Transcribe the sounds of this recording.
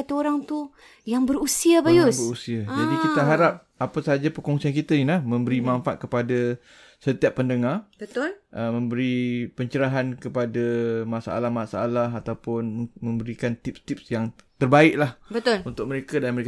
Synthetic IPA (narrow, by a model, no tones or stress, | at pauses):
at̪uoɾaŋt̪u | jaŋbəɾusiabajʊsəusiad͡ʒadikit̪aɦaɾap̚ | apasaad͡ʒapəkɔŋsiankit̪anilahmə̃mbəɾimaɱfa̰ʔ̪̚kəpada | sət̪iapːəndəŋarbət̪ʊlʔəmə̃mbəɾipəɲt͡ʃəɾaɦankəpadamasaʔa̰lahmasaʔa̰laɦat̪awpʊnmə̃mbəɾikant̪ip̚st̪ip̚sjaŋt̪ərbaɪʔ̚lahbət̪ʊlunt̪ʊk̚məɾekadanməɾek